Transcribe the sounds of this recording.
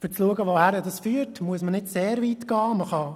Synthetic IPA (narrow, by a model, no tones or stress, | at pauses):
fʏɾt͡sluəɡəʋohæɾədɑsfyːəɾtmuəsmənɪdseːɾviːtɡ̥ɑːməχɑ